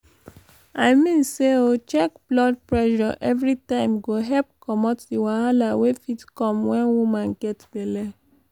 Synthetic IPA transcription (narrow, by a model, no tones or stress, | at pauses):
aɪmĩnseot͡ʃɛk̚blɔd̚pɹɛʃɔʔɛvɹitãɪ̃mɡoɦɛp̚kɔmɔtdiwãalawefitkɔ̃mwɛ̃nwumãnɡ̥ɛtbelɛ